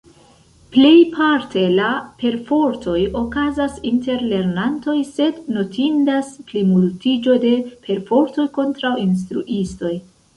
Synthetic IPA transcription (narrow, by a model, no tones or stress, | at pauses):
ple̞jpʰaɾtʰe̞lape̞ɾfo̞ɾtʰo̞jo̞kazasinte̞ɾle̞ɾnanto̞jse̞dno̞tʰindasplimultid͡ʒo̞de̞pʰe̞ɾfo̞ɾto̞jko̞ntɾawins̬tɾṵʔisto̞j